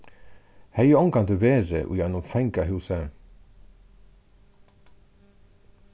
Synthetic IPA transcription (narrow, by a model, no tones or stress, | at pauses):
hɛjɔŋkʰɑnd̪ʉveːɾə̰ʔṵjɛnʊmfɛŋkaɦʉːsə